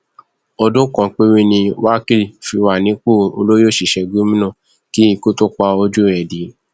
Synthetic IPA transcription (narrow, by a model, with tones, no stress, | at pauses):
ɔ˧do˦kɔ̃˨k͡pe˦wi˦nĩ˧wa˦ki˦fi˧wa˨nĩ˨˦k͡po˦˨o̰˧lo˦jo˦˨ʃi˨ʃɛ˧ɡu˦mĩ˦nã˦˨ | ki˦i˧ku˦to˦k͡pa˧o˧d͡ʒu˦ɛ˨di˨˦